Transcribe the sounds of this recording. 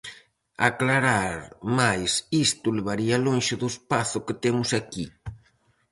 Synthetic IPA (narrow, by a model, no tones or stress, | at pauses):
a̰klaɾaɾmajsist̪ʊlɪβaɾialonʃɪðʊespaθʊkɪt̪emʊsaki